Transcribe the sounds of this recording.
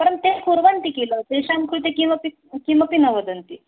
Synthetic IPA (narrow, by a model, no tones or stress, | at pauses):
pəɾənt̪ekʰuɾʋant̪ikelət̪eɕamkʰuɭt̪ekiməpi | kiməpinəʋəd̪ənt̪i